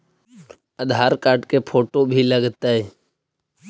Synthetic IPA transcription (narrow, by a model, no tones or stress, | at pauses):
əd̪ʱaːɾkaːɾɖkepʰoːʈobʱiləɡt̪aɦɛ